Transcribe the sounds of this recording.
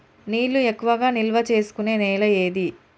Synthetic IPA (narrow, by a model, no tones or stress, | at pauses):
niːlːuekːuʋɐɡaːnilʋɐt͡ʃe̞ːsu̥kune̞ːneːlɐjeːd̪i